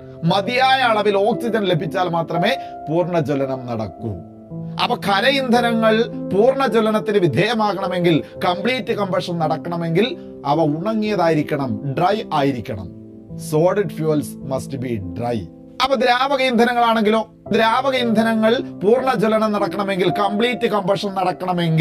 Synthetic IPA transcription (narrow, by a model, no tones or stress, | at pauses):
mɐd̪ijaːjɐɐɭɐʋilo̞ːksid͡ʑɐnle̞bʱit͡ɕːaːlmaːt̪rɐme̞ːpuːrɳɐd͡ʑolɐnɐmnɐɽɐ̰kːṵm | ɐ̰ʋɐkʰɐɾɐjind̪ʱɐnɐŋːɐɭpuːrɳɐd͡ʑolɐnɐt̪ːinɨʋid̪ʱeːjɐmaːɣɐɳɐme̞ŋɡilkɐmpɭiːtːɨkɐmbɐʂɐnnɐɽɐkːɐɳɐme̞ŋɡil | ɐʋɐuɳɐŋːijɐðaːjiɾikʲːɐɳɐmɖrɐjaːjiɾikʲːɐ̰ɳɐ̰m | so̞ːɖiɖfjuːɐlsmɐstɨbiɖrɐ̰j | ɐpːɐd̪ɾaːʋɐɣɐjind̪ʱɐnɐŋːɐɭaːɳe̞ŋɡilo̞ː | d̪ɾaːʋɐɣɐjind̪ʱɐnɐŋːɐɭpuːrɳɐd͡ʑolɐnɐmnɐɽɐkːɐɳɐme̞ŋɡilkɐmbɭiːtːɨkɐmbɐʂɐnnɐɽɐkːɐɳɐme̞ŋɡ